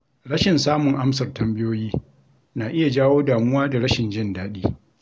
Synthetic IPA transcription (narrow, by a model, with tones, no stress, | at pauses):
ɽɐ˦ʃɪ˨nsaː˦mʊ˨ŋʔa˦msɐ˨rtɐ˨mbɪ˦joː˦jiː˦ | naː˨ʔɪ˦ja˨d͡ʒaː˦woː˦daː˨mʊ˦waː˦da˨ɾɐ˦ʃɪ˨nd͡ʒɪ˦ndaː˦ɗiː˦